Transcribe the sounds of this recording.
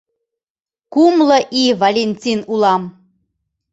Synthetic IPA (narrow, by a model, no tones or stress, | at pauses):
kumləʔivalʲenʲtʲinulɑm